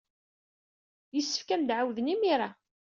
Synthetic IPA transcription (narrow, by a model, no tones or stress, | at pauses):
jəsːə̥fkæmd̪ʕawðənimiɾˤa